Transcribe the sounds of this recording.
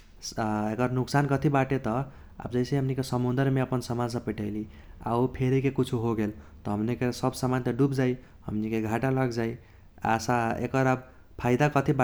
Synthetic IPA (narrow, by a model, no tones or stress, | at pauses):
ekʌɾnuksankʌt̪ʰibaʈet̪ʌ | a̰bd͡ʒʌjsẽɦʌmnikesəmund̪əɾmeəpənsəmad͡zsʌ̃piʈəɪli | a̰upʰeɾikekut͡ʃʰuɦoɡelt̪ʌɦʌmnikesʌbsamant̪eɖupd͡ʒai | hʌ̰mnikeɡʱaʈalʌɡd͡ʒai | a̰saḛkʌɾab | pʰajd̪akʌt̪ʰiba